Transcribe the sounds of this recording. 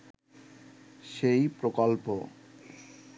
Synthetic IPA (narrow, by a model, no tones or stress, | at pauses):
ʃejpɾokolpo